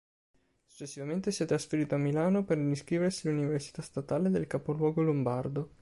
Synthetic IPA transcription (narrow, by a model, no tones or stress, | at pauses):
su̥t͡ʃːesːivament̪esiɛt̪ːɾasfeɾiːt̪oamːilaːnoperiskɾiːversiluniversi̥t̪ast̪at̪aːled̪elkapolwɔːɡolombard̪o